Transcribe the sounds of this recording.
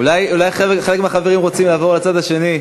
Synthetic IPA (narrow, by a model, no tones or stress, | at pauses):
ulajulajχeχelekmeaχaveʁimʁo̞t͡simlaːvo̞ʁlat͡sad̪aʃe̞ni